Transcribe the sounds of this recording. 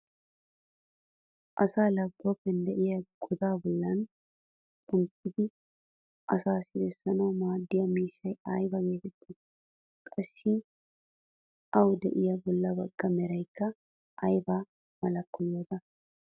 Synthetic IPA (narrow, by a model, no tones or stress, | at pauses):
ʔɐsaːlɐɡɡ̪ʊɐpːɛnd̪ɛʔɪjɐɡ̥ɔd̪aːbɔlːɐnʼ | ʊntːɪd̪ɪ | ʔɐsaːsɪbɛsːɐnɐwmaːd̪ːɪjɐmiːʃːɐjɐjbɐɡe̞ːt̪ɛt̪ːɪ | kʼɐsːɪ | ʔɐwd̪ɛʔɪjɐbɔlːɐbɐɡ̥ːɐmɛɾɐjkːɐ | ʔɐjbaː | mɐlɐkːɔjoːt̪ɐ